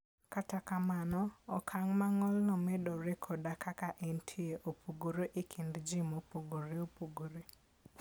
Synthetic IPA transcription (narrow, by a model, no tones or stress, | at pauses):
katakamanɔɔkʰaŋmaŋɔlnɔmɛdɔɾekʰɔdakakaʔentʰieʔopʰuɡoɾoʔɪkʰindd͡ʒimopoɡoɾeopoɡoɾe